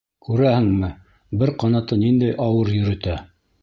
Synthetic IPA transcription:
kʉɾæhɘ̆ŋmɘ | bɘɾqɑnɑt̪ɤnind̪æjʔɑwɤɾjɵ̆ɾɵ̆t̪æ

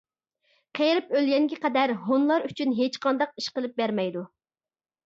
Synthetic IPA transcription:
qʰejɾɪpølɡʲɛŋɡʲɛqɛd̪æɾɦonlˠɑɾyt͡ʃʰynɦet͡ʃqʰɑnd̪ɑq̚iʃqəlˠɨp̚bæɾmɛjd̪u

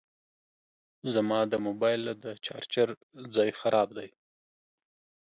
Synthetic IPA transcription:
zamɑd̪əmobɑjld̪ət͡ʃɑ̰ɾt͡ʃaɾ | d͡zɑjxaɾʔɑb̚d̪aj

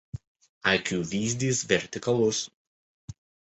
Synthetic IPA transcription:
ɐɪkʲuːʋʲiːzʲd̪ʲiːsʋʲɛɾʲt̪ʲɪkɐlˠʊs

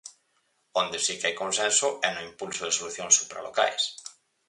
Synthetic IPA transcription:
ond̪ɪsikeajkõnsɛ̃nsʊɛnʊimpulsoðesoluθjoŋsupɾa̰loka̰js

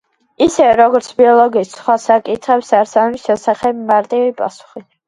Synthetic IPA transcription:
isɛɾɔɡɔɾt̪sʰbiɔlˠɔɡiːssχwasakʼit̪ʰχɛpsaɾsanɛbisʃɛsaχɛbmaɾt̪ʼivipʼa̰su̥χi

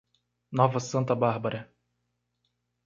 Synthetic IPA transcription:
nɔvɐsɐ̃nt̪ɐbaɾbɐɾɐ

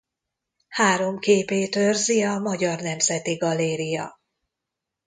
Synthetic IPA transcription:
haːɾo̞mkeːpeːt̪ørziɒmɒɟɒrnɛmzɛt̪iɡɒleːɾijɒ̰

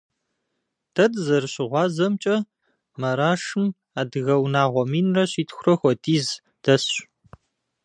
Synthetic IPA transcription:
d̥ʰɐdzɐrɨɕɪʁʷɑːzɐmt͡ʃʼɐ | mɐɾaːʂɨm | aːdɨɣɐwnaːʁʷɔmiːnrɐɕiːtʰxʷʊrɐxʷɔdiːz | d̥ɐsɕ

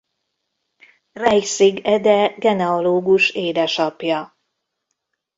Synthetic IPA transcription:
rɛjsiɡɛd̪ɛɡɛnɛoloːɡuʃeːd̪ɛʃɒpjɒ

